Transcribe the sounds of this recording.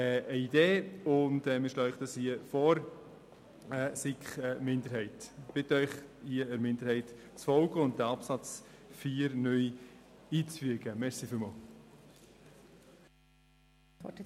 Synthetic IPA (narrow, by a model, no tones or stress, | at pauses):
ɛəideːʊndɛmiʃlɑːɪχd̥ɑshiəfɔːɾ | ɛsikχɛmɪndəɾhɛɪtb̥ɪtœʏχhiəəɾmɪndəɾhɛɪt | t͡sfɔlɡəʊnt̚d̥æɑpsɑt͡s | fiːɾnœjiːt͡sfyəɡ̥əmɛɾsifɪlmɑːl